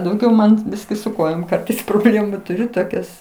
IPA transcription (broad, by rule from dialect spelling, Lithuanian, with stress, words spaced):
dɐʊˈɡʲɛʊ mɐn ˈbʲɪsʲkʲɪ sʊ ˈkoːjoːm ˈkɐrtɐɪs proːˈbʲlʲeːmʊ tʊˈrʲʊ toːˈkʲɛs